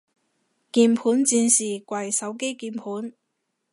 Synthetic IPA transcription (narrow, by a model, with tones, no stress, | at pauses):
kiː˧mpʰuː˨˥nt͡siː˧nsiː˨˩kwɐ˨jsɐ˨˥wke˥jkiː˧mpʰuː˨˥n